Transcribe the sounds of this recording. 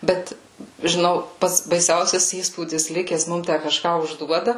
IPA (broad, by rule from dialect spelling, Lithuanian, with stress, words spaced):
ˈbʲɛt ʒʲɪˈnɐʊ ˈpɐts bɐɪˈsʲɛʊsʲɛs ˈiːspuːdʲɪs ˈlʲɪkʲɛs ˈmʊm ˈtʲæ kɐˈʃkɑː ʊʒˈduɔdɐ